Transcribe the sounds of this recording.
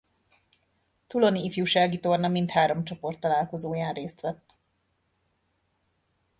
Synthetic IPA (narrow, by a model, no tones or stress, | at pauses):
t̪ulo̞niːfjuːʃaːɡit̪o̞rnɒmint̪haːɾo̞mt͡ʃo̞po̞rt̪ːɒlaːlko̞zoːjaːnreːst̪ʋɛt̪ː